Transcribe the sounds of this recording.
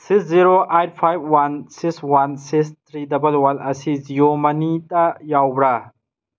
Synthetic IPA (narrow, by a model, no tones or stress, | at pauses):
siksziɾoʔajt̚pʰajb̚wansikswansikst̪ʰɾidɐbɐlwalʔɐsiziomɐnitɐjawbɾa